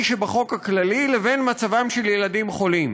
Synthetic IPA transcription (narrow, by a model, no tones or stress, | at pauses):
ʃebaχo̞khaklalileve̞nmat͡savamʃeljeladimχo̞lim